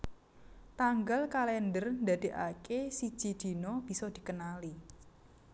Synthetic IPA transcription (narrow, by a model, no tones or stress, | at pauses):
t̪aŋɡalkalɛnd̪ərnd̪a̤d̪̥e̤ʔa̰kesid̥ʒ̥i̤d̪̥i̤nɔb̥i̤sɔd̪̥i̤kənali